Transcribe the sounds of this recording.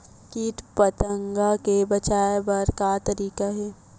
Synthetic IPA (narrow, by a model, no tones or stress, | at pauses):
kiːʈ̪pɐt̪əŋɡakebɐt͡ʃaːebɐɾkat̪ɐɾiːkaɦɛː